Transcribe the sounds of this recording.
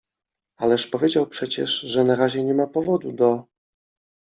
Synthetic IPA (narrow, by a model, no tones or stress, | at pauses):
alɛʂpɔvʲjed͡ʑawpʂɛt͡ɕɛ̰ʂʐɛnaɾaʑɛɲɛmapɔvɔd̪ud̪ɔ